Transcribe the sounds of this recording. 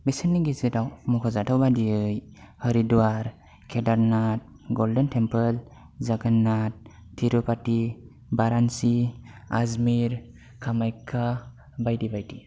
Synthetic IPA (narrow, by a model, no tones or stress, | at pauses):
besənːiɡizedawmɔkʰɔzatʰawbadiɯjhəɾiduaɾ | kʰɛdaɾnat̚ | ɡɔldentʰempəl | zaɡanat̚ | tʰiɾɔpati | baɾansiazmiɾ | kʰamajkʰa | bajdibajdi